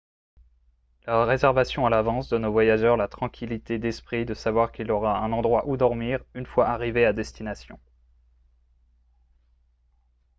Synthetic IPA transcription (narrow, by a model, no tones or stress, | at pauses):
laʁezɛʁvasjɔ̃alavɑ̃sd̪ənovwajaʒœʁlat̪χɑ̃kʲʰilit̪ed̪ɛspχid̪əsavwaʁkʲilɔʁaɛ̃nɑ̃d̪ʁwaʔud̪ɔʁmiːʁynfwaʔaʁivead̪ɛst̪inasjɔ̃